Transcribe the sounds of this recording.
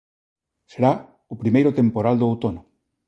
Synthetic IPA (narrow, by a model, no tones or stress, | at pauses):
seɾa | ʊpɾimejɾʊt̪empoɾald̪oowt̪onʊ